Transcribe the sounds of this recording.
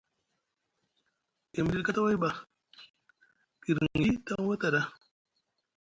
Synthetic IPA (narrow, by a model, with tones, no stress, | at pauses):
e˨m˨di˦dka˦ta˦wa˦jba˨ | ki˨ɾi˦ta˦ŋ˦wa˦ta˨da˦